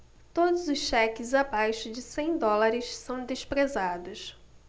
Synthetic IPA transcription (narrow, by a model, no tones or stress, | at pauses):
t̪od̪ʊzʊsʃɛkɪzabajʃʊd͡ʒɪsẽj̃d̪ɔlaɾɪʃsɐ̃w̃d̪eʃpɾezad̪ʊs